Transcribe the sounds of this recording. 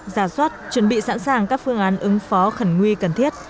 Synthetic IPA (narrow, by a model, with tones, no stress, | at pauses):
zaː˧˩swa˦˥t̚t͡ɕwə˧˩nɓḭ˧˨sa̰˧˥nsaː˨˩ŋkaː˦˥k̚fɨ˧əŋʔaː˨˦nʔɨ˨˦ŋfɔ˨˦xə˧˩ŋŋwi˧kə˨˩nt̪ʰi˦˥ət̚